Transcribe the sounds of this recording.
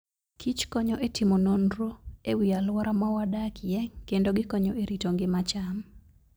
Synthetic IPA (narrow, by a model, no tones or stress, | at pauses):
kʰit͡ʃkɔɲɔʔetʰɪmonondɾoewialwaɾʔamawadakjɛkendoɡɪkɔɲɔeɾitoŋɡɪmat͡ʃam